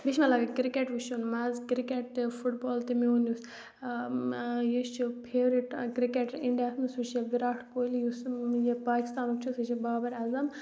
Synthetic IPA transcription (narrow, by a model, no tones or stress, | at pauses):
biʃmɐlaːɡkɾikeʈʋuʃunmɐzkɾikeʈ̪̚fuʈboːlt̪imiond̪ʲus | jist͡ʃʰupʰeːɾiʈkɾikeʈiɳɖijaːsnusuʃjeʋiɾaːʈʰkoːlijusjepaːki̥st̪aːnukt͡ʃʰusɐt͡ʃibaːbɐɾɐzɐm